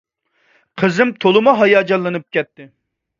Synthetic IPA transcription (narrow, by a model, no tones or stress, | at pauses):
qʰəzɨmt̪ʰolˠɨmɑɦɑjɑːd͡ʒɑlːˠɨnɨp̚kʲɛt̪ːɪ